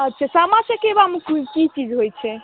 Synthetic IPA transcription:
ətːt͡ʃʰasamãsekebamekʰukit͡ʃid͡ʒɦojt͡ʃʰɛ

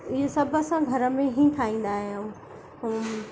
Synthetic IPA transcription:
ɪɦesɐbʱəsãɡʱɐɾə̆mẽɦĩːʈʰaːĩːn̆d̪aːɦijũ

